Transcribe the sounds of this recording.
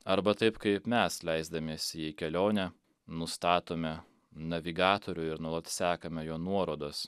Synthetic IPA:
ɐɾbɐt̪ɐɪpkɐɪpmʲɛslʲɛɪzd̪ɐmʲiːsʲɪikʲɛlʲoːnʲɛ | nʊst̪ɑːt̪oːmʲɛ | nɐʋʲiɡɑːt̪oːɾʲʊɪɾnuɔlˠɐt̪sʲæːkɐmʲɛjoːnuɔɾoːd̪os

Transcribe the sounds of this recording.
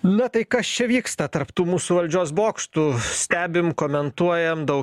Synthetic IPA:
nʊt̪ɐɪkɐst͡ʃʲɛʋʲiːkst̪ɐt̪ɐɾpt̪uːmuːsuːʋɐlʲd͡ʒʲoːsboːkʃt̪usʲt̪ʲæːbʲɪmkoːmʲɛnt̪uɔjɛmd̪ɐʊk

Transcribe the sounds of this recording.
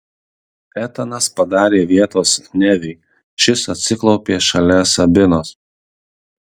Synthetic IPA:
ɛt̪ɐnɐspɐd̪ɑːɾʲeːʋʲiɛt̪oːsnʲɛʋʲɛɪ | ʃʲɪsɐt̪ʲsʲɪklˠɒʊpʲeːʃɐlʲɛsɐbʲɪnoːs

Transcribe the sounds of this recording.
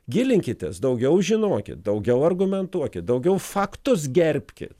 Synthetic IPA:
ɡʲɪlʲɪŋʲkʲɪt̪ʲɛ̰sd̪ɐʊɡʲɛʊʒʲɪnoːkʲɪ̰t̪̚d̪ɐʊɡʲɛʊɐrɡʊmʲɛnt̪uɔkʲɪt̪̚d̪ɐʊɡʲɛʊfɑːkt̪ʊs̬ɡʲɛɾʲpʲkʲɪ̰t̪

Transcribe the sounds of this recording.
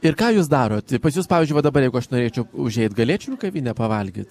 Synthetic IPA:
ɪɾkɑːjuːs̬d̪ɑːɾoːt̪ɪpɐsʲjuːspɑːʋʲiːzʲd͡ʒʊɪʋɐd̪ɐbɐɾjɛɪɡʊɐʃnoːɾʲeːt͡ʃʲɛʊʊʒʲɛɪt̪ɡɐlʲeːt͡ʃʲʊnʲʊkɐʋʲiːnʲɛpɐʋɐlʲɡʲḭːt̪

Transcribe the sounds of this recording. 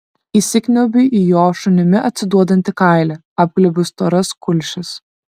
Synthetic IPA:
iːsʲɪkʲnʲɛʊbʲɪʔijoːʃʊnʲɪmʲɪɐt̪ʲsʲɪd̪uɔd̪ɐnʲt̪ʲɪkɑˑɪlʲɛ | ɑːp̚ɡlʲɛbʲʊst̪oːɾɐskʊlʲʃʲɪs

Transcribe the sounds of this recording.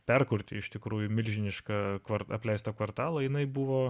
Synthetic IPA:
pʲɛrkʊɾʲt̪ʲɪ̰ɪʃt̪ʲɪkɾuːjʊmʲɪlʲʒʲɪnʲɪʃkɐkʋɐrɐpʲlʲɛɪst̪ɐkʋɐrt̪ɑːlˠɐjɪnɐɪbuʋoː

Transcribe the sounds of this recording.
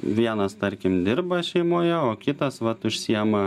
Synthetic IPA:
ʋʲiɛnɐst̪ɐɾʲkʲɪmd̪ʲɪɾbɐʃʲɛɪmoːjɛoːkʲɪt̪ɐsʋɐt̪ʊʃʲsʲiɛmɐ

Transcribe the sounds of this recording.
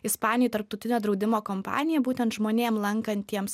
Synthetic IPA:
ɪspɑːnʲɪjʊːt̪ɐɾp̚t̪ɐʊt̪ʲɪnʲoːd̪ɾɒʊd̪ʲɪmoːkoːmpɑ̰ːnʲɪjɛbuːt̪ʲɛnt̪ʒmoːnʲeːmlˠɐŋkɐnt̪ʲiɛms

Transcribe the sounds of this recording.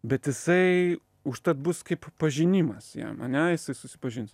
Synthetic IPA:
bʲɛt̪jɪsɐɪ | ʊʃt̪ɐt̪̚bʊskɐɪppɐʒʲɪnʲimɐsjɛ̰mɐ̰nʲɛjɪsɐɪsʊsʲɪ̥pɐʒʲɪns

